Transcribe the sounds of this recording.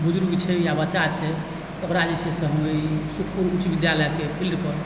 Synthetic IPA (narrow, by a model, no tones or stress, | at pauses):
bud͡ʒɾuɡt͡ʃʰɛjabəːt͡ʃat͡ʃʰɛ | okɾad͡ʒet͡ʃʰɛsə̃ɦəmesuk̚ʰpuɾut͡ʃbid̪jaləkepʰilɖpəɾ